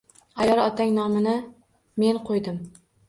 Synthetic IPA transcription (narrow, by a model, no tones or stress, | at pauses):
ajɒɾˠɒt̪ʰaŋnɒmɪnɪ | me̞nqʰojd̪ɪm